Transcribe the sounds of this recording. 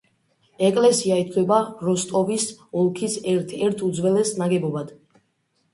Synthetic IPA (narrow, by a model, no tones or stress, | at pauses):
ɛkʼlɛsiait̪kʰwɛbaɾɔst̪ʼɔvisɔlˠkʰisɛɾt̪ʰɛɾt̪ʰud̪zwɛlɛsnaɡɛbɔbad̪̥